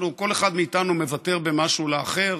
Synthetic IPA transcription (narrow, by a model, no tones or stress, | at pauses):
nuko̞le̞χad̪miːt̪anume̞vat̪e̞ʁbe̞maʃuleaχe̞ʁ